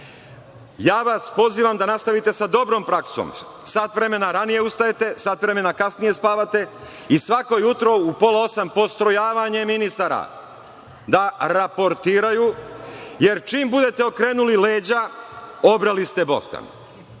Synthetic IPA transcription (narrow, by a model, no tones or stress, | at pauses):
jaːʋaspo̞ziːʋamd̪anast̪aʋit̪e̞sad̪o̞bɾo̞ːmpɾakso̰m | sat̪ʋɾe̞me̞naɾanije̞ust̪ajet̪e̞sat̪ʋɾe̞me̞nakasnije̞spaːʋat̪e̞ | isʋako̞jut̪ɾo̞upo̞lao̞sampo̞st̪ɾo̞jaːʋaɲe̞minist̪aɾa̰ | d̪aɾapo̞ɾt̪iːɾaju | je̞ɾt͡ʃiːmbud̪e̞t̪e̞o̞kɾe̞ːnulileːd͡ʑaobɾalist̪e̞bo̞̰st̪a̰n